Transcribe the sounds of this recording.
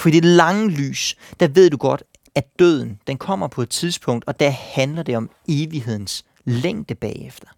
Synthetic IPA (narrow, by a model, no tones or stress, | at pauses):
fɒ̥ḭːdelɑ̈ŋəly̰ːsd̥æʋe̝ð̞̰ˠd̥uɡ̥ɒ̽d̥ | æd̥øð̞̰ˠn̩d̥enkʰɒ̽m̰ɐpʰɒ̽e̝d̥̚t͡sʰið̞ˠsb̥ʰɔ̽ŋ̰d̥ɒ̽d̥æɐhænlɐd̥e̝ɒ̽m | e̝ːʋiɦe̝ð̞̰ˠn̩s | leŋ̰d̥əb̥ɛ̰ːefd̥ɐ̥